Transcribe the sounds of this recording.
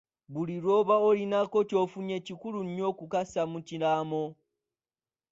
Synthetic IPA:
βuliɾoβaolinakocofuɲecikuluɲɲokukasamucilamo

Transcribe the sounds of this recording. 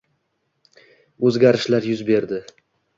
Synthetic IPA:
ɵzɡʲaɾɪʃlaɾjʊzbe̞ɾd̪ɪ

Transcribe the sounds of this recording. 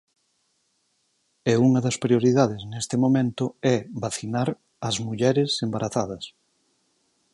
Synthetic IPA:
ɛuŋɐðɐspɾioɾiðaðɪznest̪ɪmomẽnt̪ʊɛβaθinaɾ | ɐzmuʎɛɾɪsembaɾʔaθaðɐs

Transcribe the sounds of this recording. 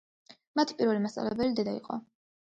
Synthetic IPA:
mat̪ʰi̥pʼiɾvɛlimast̪sʼa̰lɛbɛlid̪ɛd̪aḭqʼɔ̰

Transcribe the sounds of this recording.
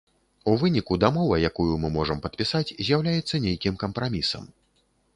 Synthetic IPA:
uvɨnʲikud̪amɔvɐjakujumɨmɔʐɐmpɐt̪̚pʲisat͡sʲzʲjawlʲajɛt̪sːɐnʲejkʲimkɐmpɾamʲisɐ̰m

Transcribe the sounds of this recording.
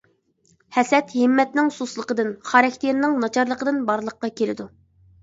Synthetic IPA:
hɛsɛt̪hɪmːɛt̪nɪŋsuslˠəqəd̪ɨnχɑɾɛkʲt̪ʰeɾnɪŋnɑt͡ʃʰɑɾlˠəqəd̪ɨnbɑɾlˠəqːɑkʲʰelɪ̰d̪u

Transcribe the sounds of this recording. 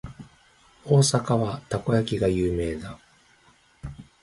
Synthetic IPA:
o̞ːsakaβat̪ako̞jakʲiɡajɯːme̞ːd̪a

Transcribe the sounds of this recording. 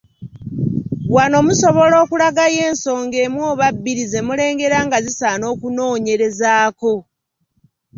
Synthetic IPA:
wano̞muso̞βo̞lo̞ːkulaɡaje̞ːnso̞ːŋɡe̞mwoːβabːiɾize̞mule̞ːŋɡe̞ɾaŋɡazisaːno̞ːkuno̞ːɲe̞ɾe̞zaːko̞

